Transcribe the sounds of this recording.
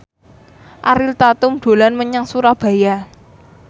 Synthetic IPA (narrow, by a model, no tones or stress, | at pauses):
ʔa̰ɾɪlt̪at̪ʊmd̪̥o̤lanməɲaŋsuɾab̥ä̤ja